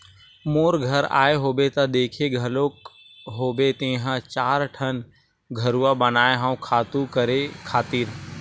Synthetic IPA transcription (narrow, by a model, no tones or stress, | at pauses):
moːɾɡʱɐɾa̰ːeɦoːbet̪ɐd̪eːkʰeɡʱɐloːk | ɦoːbet̪ẽːɦə̃t͡ʃaːɾʈʰən | ɡʱɐɾuabənaːeɦãũkʰaːt̪ũkəɾekʰaːt̪iːɾ